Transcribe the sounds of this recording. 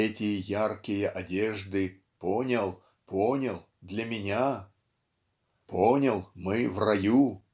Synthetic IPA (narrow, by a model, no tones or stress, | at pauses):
ɛtʲɪjəjarkʲɪjəʔɐdʲeʐd̪ɨ | ponʲɪlˠ | ponʲɪlˠ | d̪lʲɐmʲɪnʲa | pʰonʲɪlˠmɨvrɐju